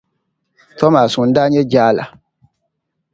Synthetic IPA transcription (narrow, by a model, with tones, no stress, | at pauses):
tɔ˦ma˨sũ˨˦n̩˦da˦ɲɛ˦d͡ʒaː˦la̰˨